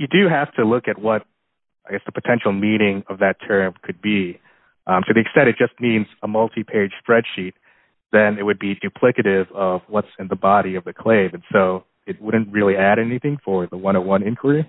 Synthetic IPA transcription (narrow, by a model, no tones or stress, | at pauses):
jɨdɨɦæftʰɨlʊkɨt̚wʌɾ̚ | aɪɡɛsðəpʰɨtʰɛ̃nʃl̩ˠmĩñɪ̃ŋʌvðɨtʰɜ̃˞mkʰɨd̚bi | ʔtʰɨðiɨkstɛ̃ntɨt̚d̥ʒ̥ʌst̚mĩnzəmʌlˠtʰipʰeɪd̥ʒ̥spɹɛd̥ʃit̪̚ | ðɨ̃nɪt̚wɨd̚bidʉpʰl̥ɪkɨɾɪvʌvwʌtsɨ̃nðəbɑɾiʌvðɨkʰl̥eɪvɨ̃nsoʊ | ɪt̚wʊdⁿn̩t̚ɹɪlˠiæɾɛniθɪ̃ŋfə˞ðəwʌ̃ñəwʌ̃nɪ̃nkʰwə˞i